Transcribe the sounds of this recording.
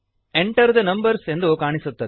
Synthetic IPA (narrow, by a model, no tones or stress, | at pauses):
ɛɳʈɐɾd̪ɐnɐmbɐɾsend̪ɾɯkaːɳɪsʊt̪ːɐ